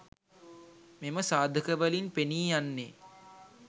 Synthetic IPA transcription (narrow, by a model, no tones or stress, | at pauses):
meməsaːd̪ʱəkəʋəlinpeniːjanːe